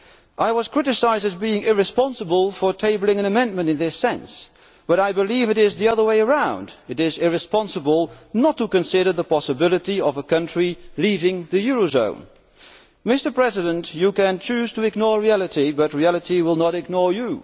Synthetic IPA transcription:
ʔaɪwʌz̥kʰɹ̥ɪɾɨsaɪzdɨzbiɪ̃ŋɪɹɨspɑ̃nsəbəlˠfə˞tʰeɪbl̩ˠɪ̃ŋɨ̃ñɨmɛ̃nmɨ̃ntɨ̃nðɪsɛ̃ns | b̥ʌɾaɪbɨlivɨɾɪzðiʌðə˞weɪə˞ãʊ̃ndɨɾɪzɪɹɨspɑ̃nsəbəlˠnətʰəkɨ̃nsɪɾə˞ðəpʰɑsəbɪlˠəɾiʌvəkʰʌ̃nt͡ʃɹ̥ilivɪ̃ŋðɨjʊɹozõ̰ʊ̃n | mɪstə˞pʰɹ̥ɛzɨɾə̃nt͡ʃɨkɨ̃nt͡ʃʰʉz̥tʰɨɨɡnɔɹɹiælˠɨɾibʌt̚ɹiælˠəɾiwɪlˠnəɾɨɡ̚nɔɹju

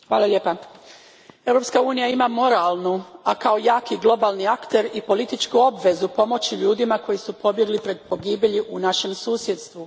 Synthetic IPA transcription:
xʋaːlˠaʎeːpa | e̞wɾo̞pskauːnijaimamo̞ɾalˠnuakao̞jaːkiɡlˠo̞balˠniakt̪e̞ɾipo̞lit̪it͡ʃkuo̞bʋe̞zupo̞mo̞t͡ɕiʎuːd̪imako̞jisupo̞bje̞ɡlipɾe̞d̪̚po̞ɡiːbjeʎiʔunaʃe̞msuːsjed̪st̪ʋu

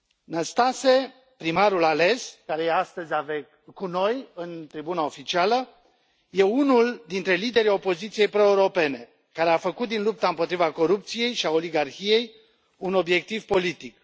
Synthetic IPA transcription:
nəst̪ase̞ | pɾimaɾulale̞skaɾe̞jeast̪əzʲaveɡ | kuno̞jɨnt̪ɾibunao̞fit͡ʃialə | je̞unuld̪int̪ɾe̞lid̪e̞ɾijo̞po̞zit̪sije̞jpɾo̞ewɾo̞pe̞ne̞ | kaɾe̞afəkut̪̚d̪inlup̚t̪aɨmpo̞t̪ɾivako̞ɾup̚t̪sije̞jʃiao̞liɡarçije̞j | uno̞bje̞k̚t̪ivpo̞lit̪ik

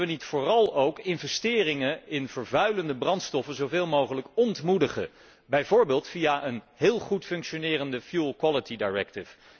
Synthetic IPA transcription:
ʋənitfʊːrɑlˠowkɪnvɛstɪːrɪŋəɪnv̥əɹvœɥləndəbrɑntstɔfəzowveːlˠmowχələkɔntmudəχə̰ | bɛjvʊːɹbeːlˠtfijaʔənɦɪːlˠχutfɵŋkʃonɪːrəndəfjulˠkwɑlətidajɹɛ̰k̚tɪf

